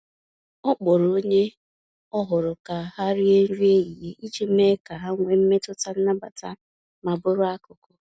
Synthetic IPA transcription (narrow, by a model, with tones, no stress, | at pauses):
ɔ˦k͡pɔ˨ɾo˦ɲe˦ | ɔ˦ɦʊ˨ɾʊ˨ka˨ha˦ɾɪ˦e˦n̩˦ɾi˦e˦i˨ɦe˦ʔi˦d͡ʒe˦m̩˦me˦ka˨ɦa˦ŋʷe˨m̩˦me˦tʊ˦ta˦n̩˦na˦ba˨ta˦ | ma˨bʊ˦ɾʊ˦a˦kʊ˨kʊ˨